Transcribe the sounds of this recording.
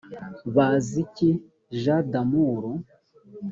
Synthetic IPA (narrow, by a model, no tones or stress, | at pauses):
βazici | ʒadamuːɾo